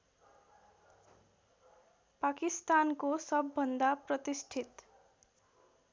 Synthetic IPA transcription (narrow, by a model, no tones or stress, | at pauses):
pakist̪ankosʌbːʌnd̪aprʌt̪isʈʰit̪